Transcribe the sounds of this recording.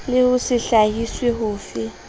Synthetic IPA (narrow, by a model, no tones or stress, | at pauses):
lɪhʊsɪɬaɦisweɦʊːfɪ